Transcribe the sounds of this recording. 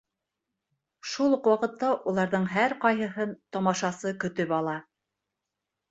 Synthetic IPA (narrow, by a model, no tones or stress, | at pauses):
ʃulˠqwɑqɤ̆t̪ːɑʔulˠɑɾðɤɴɦæɾqɑjɦɤ̆ɦɤnt̪ɒmɑʃɑsɤkɵ̆t̪ɵpɑlˠɑ